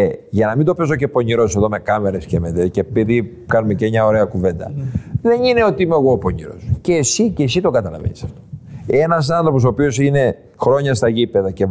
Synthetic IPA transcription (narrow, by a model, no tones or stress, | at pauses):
eʝɐnɐmind̪opezo̞ce̞po̞ɲiɾo̞seðo̞me̞kɐme̞ɾe̞scemeðecepiði | kɐnumecemɲɐoɾe̞ɐkuve̞nd̪ɐ̰ðe̞nineo̞t̪iimeɣoːpoɲiɾo̞̰sce̞sicesit̪okɐt̪ɐlɐ̰vḛnisɐft̪oe̞nɐs̬ɐnθɾop̬os̬opio̞sine̞ | xɾo̞ɲɐst̪ɐʝipe̞ðɐce